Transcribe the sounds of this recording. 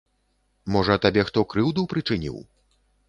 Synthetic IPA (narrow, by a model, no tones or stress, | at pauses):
mɔʐɐːt̪abʲɛxt̪ɔkɾɨwd̪uwpɾɨt͡ʂɨnʲḭw